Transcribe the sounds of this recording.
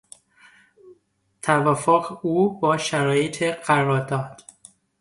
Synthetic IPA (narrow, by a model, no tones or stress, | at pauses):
t̪ʰævæfoɣeuːbɒːʃæɾɒːjet̪ʰeɢæɾɒːɾd̪ɒːd̪̥